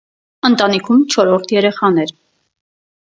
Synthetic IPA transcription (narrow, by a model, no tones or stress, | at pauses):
ənt̪ɑnikʰumt͡ʃʰɔɾɔɾt̪ʰjɛɾɛχɑnɛɾ